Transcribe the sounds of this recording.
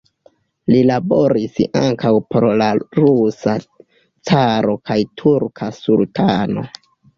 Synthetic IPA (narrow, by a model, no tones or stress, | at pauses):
lilabo̞ɾisa̰ŋkawpoɾlaɾusa | t͡saɾo̞kʰajtʰuɾkʰasultʰano̞̰